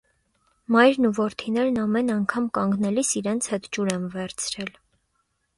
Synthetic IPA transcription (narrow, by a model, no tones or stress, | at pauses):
mɑjɾnuvɔɾt̪ʰinɛɾnɑmɛnɑŋkʰɑmkɑŋɡnɛlisiɾɛnt͡sʰhɛt̪d͡ʒuɾɛmvɛɾt͡sʰɾɛl